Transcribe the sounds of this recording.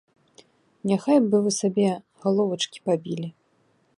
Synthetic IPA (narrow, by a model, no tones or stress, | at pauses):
nʲaxajbɨvɨsabʲɛ | ɣalˠɔvɐt͡ʂkʲi̥pabʲilʲi